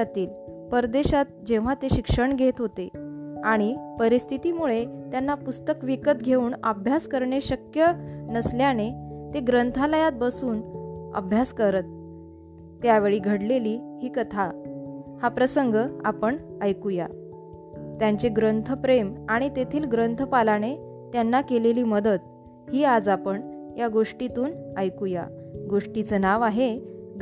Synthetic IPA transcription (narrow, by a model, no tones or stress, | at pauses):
at̪iːlpəɾd̪eɕat̪̚d͡ʑẽʋ̤at̪eɕikʂəɳɡʱet̪ɦot̪eaɽ̃ipəɾist̪ʰit̪imuɭet̪janːapust̪əkʋikət̪̚ɡʱeuːnə̰bʱjaskəɾɳeɕəkjənəsljanet̪eɡɾənt̪ʰaləjat̪̚bəsuːnə̰bʱjaskəɾət̪̚ː | jaʋeɭiːɡʱəɽleliːhiːkət̪ʰa | hapɾəsəŋɡəa̰pəɳəjkuja | t̪jaɲt͡ɕeɡɾənt̪ʰəpɾemaɽ̃it̪et̪ʰiːlɡɾənt̪ʰəpalane | t̪janːakeleliːməd̪ət̪̚ | hiːad͡zapəɳ | jaɡoʂʈit̪uːnəjkuja̰ɡoʂʈit͡sənaʋaɦe